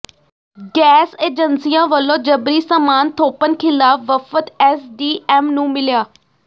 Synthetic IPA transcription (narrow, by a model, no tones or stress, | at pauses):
ɡɛːseːd͡ʒənsijãːʋəlõːd͡ʒəbɾiːsəmaːnt̪ʰoːpənkʰɪlaːfʰʋəfət̪ɛːsɖiːʔɛːmnũːmɪljaː